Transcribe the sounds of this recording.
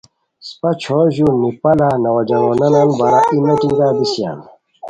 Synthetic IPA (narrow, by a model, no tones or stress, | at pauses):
spɐt͡ɕʰoʑunipɐlanɐwɐd͡ʑɐŋonɐnanbɐɾaʔimɐʈiŋɡaːbisja̰ːn